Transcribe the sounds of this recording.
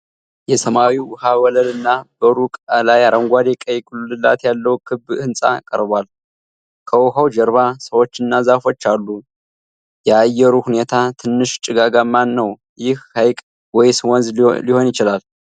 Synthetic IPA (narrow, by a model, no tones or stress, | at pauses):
jɛsəmawiwhawɔləlɨnːabəɾukʼalajaɾʔəŋɡʷad̪ekʼəjkʼullɨla̰t̪jalːəwkʰɨbːɨnsʼa̰kʼə̰ɾbal | kʼʰəwhəwd͡ʒɛɾβasəwo̞t͡ʃːɨnːazafo̞t͡ʃːalːu | jɛajːɛɾuhune̞t̪ʰat̪ʰɨnːɨʃt͡ʃʼɨɡaɡamanːəw | jɪhːajkʼ | wɔjsɨwɔnzliho̞njɪt͡ʃɪlal